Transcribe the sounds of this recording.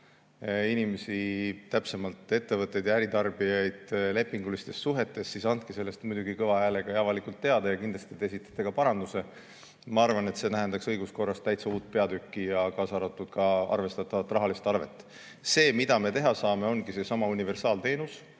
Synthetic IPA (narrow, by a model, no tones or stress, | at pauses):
inime̞sit̪æpse̞mɑlt̪ˑe̞t̪ːe̞vɤt̪ːˑe̞jd̪jɑæɾit̪ɑrb̥ijɑjd̪̥le̞pˑːiŋɡ̥ulist̪e̞sːuɦe̞t̪ːˑe̞sːisɑnd̪̥̚kise̞lːe̞st̪mujd̪uɡikɤvɑæle̞ɡ̥ɑeɑvɑlikult̪ːe̞ɑd̪ɑjɑkind̪lɑst̪it̪esit̪ːˑɑ̥t̪ːˑeɡ̥ɑpɑɾɑnd̪use̞ | mɑɑrvɑne̞t̪se̞næɦend̪ɑksɤjɡ̥usko̞rːɑst̪t̪æjt̪seuːt̪̚ːˑpe̞ɑd̪ykːijɑkɑːsɑɾot̪ˑːud̪̥kɑɑ̰rve̞st̪ɑt̪ːˑɑvɑt̪ːˑrɑɦɑlist̪ɑrve̞̰t̪ːˑ | se̞ːmid̪̥ɑme̞t̪e̞ɦɑsɑːme̞o̞nɡise̞sɑmɑunive̞rsɑːlt̪e̞ːnus